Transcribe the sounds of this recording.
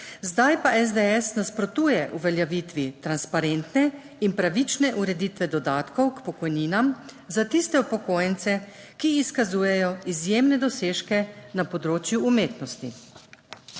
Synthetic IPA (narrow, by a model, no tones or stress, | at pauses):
zd̪ajpaʔɛzd̪eɛsnaspɾɔt̪uːjɛʔuʋɛljaʋit̪ʋit̪ɾanspaɾent̪nɛ | inpɾaʋit͡ʃnɛʔuɾɛd̪it̪ʋɛd̪ɔd̪aːt̪kɔwkpɔkɔjniːnam | zat̪ist̪ɛupɔkoːjɛnsɛ | kiːskazuːjɛjɔizjeːmnɛd̪ɔseːʃkɛnapɔd̪ɾoːt͡ʃjuːmeːt̪nɔst̪i